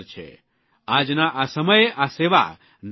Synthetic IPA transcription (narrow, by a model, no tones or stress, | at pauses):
ɾt͡ʃʰḛ | ad͡ʒnaʔasəməjeʔaseʋa̰ | n